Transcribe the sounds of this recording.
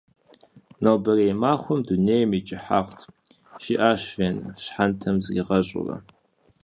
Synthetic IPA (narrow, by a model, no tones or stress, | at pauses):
nowbɐrejmaːχʷɔmdunejmit͡ʃʼɪħa̰qtʰ | ʃiʔaːɕvenɕħantʰɐmzɡʲiʁɐɕʼʊ̰rɐ̰